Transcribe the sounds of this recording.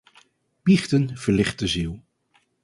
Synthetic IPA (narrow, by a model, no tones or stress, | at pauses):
biχtənv̥əɹlɪχt̚dəzilˠ